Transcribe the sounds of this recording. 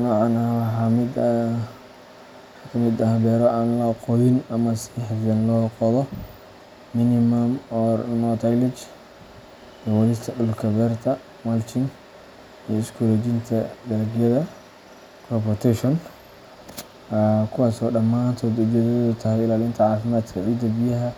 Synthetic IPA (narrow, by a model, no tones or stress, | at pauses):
nɔʕɑnaħamɪd̪ | ak̪ʰɐmɪd̪ɐɦɐbɛːɾɔʔaːnlɐqɔðɪnɐmɐsħjɐnlɔːqɔðɔ | mɪnɪmɐmɔːrnɔt̪ʰajlɪt͡ʃ | d̪ɔwɔlɪst̪ʰɐɗʊlkʰɐβɛːrt̪ʰɐ | malt͡ʃʰɪn | ijɔɪskʰuɾɔd͡ʒɪnt̪ʰɐd̪ɐɾɐɡjɐðɐ | kʰɔpɔrt̪ʰɛʃɔn | kʰʊwɑːsɔːɖɐmaːnt̪ʰɔd̪ɐdɐðɔðʊt̪ʰɐɦɛjɪlaːlɪnt̪ʰɐʕɑːfɪmaːd̪kʰɐʕiːd̪ɐbɪjɐɦɐ